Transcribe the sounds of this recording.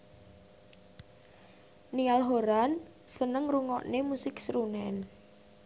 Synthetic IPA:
nialɦoɾan | sənəŋruŋɔʔnemusɪksɾunɛn

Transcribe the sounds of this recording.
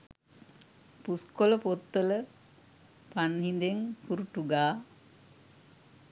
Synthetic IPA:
puskoləpot̪ːələ | panɦind̪eŋkuɾuʈuɡaː

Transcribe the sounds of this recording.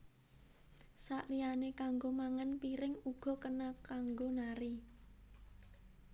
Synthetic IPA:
saʔlijanekaŋɡomaŋanpiɾɪŋuɡ̥ɔ̤kənakaŋɡonaɾi

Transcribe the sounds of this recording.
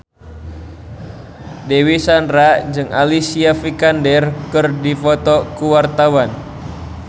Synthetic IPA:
dewisandɾad͡ʒɨŋa̰lisiafikandɛrkɨrdifɔt̪ɔkuwart̪awan

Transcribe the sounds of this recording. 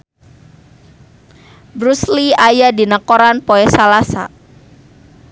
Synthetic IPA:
bɾusliajadi̤nəkoɾanpoɛsalasa̰

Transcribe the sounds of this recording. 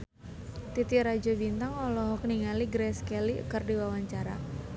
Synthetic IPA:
t̪it̪iɾad͡ʒobint̪aŋɔlɔɦɔkniŋaliɡɾɛskɛlḭkərdiwawaɲt͡ʃaɾa

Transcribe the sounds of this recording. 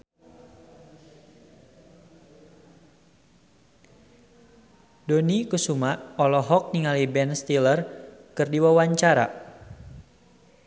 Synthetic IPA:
donikusumaɔlɔɦɔk̚niŋalibɛnst̪ilərkɨrdiwawaɲt͡ʃaɾa̰

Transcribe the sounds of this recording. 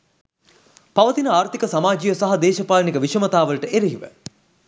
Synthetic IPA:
paʋət̪inəaːɾt̪ikəsamaːd͡ʒijəsɐɦɐd̪eːʃɐpaːlnikəʋiʃəmɐt̪aːʋɐlʈəʔeɾiɦiʋə̰

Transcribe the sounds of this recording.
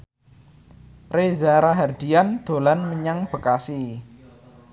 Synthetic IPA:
rezaɾaɦard̪̥i̤and̪̥o̤lanməɲaŋb̥ə̤kasi

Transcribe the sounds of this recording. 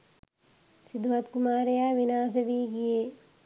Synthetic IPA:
sid̪ʋɐt̪kumaːɾejaːʋinaːs̬ɐʋiːɡijeː

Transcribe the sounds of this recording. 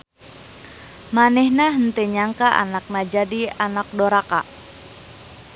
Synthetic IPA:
manɛhnaɦənt̪eɲaŋkaʔa̰nak̚nad͡ʒadianak̚doɾaka̰

